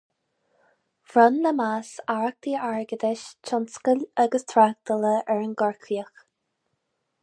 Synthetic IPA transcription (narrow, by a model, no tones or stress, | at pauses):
v̥ɾɔnːəmasaɹk̚t̪iːaɹɡəd̪ɪʃt͡ʃʰɔnskəlʲaɡəst̪ʰɾak̚d̪ələʔɛɹənɡɔɹkʰiəx